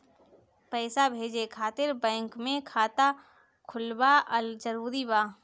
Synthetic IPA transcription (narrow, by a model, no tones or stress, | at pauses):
pɛːsabʱeːd͡ʒekʰaːt̪ɪɾbɛ̃ːŋkmẽkʰaːt̪a | kʰʊlbaʔəld͡ʒəɾuːɾibaː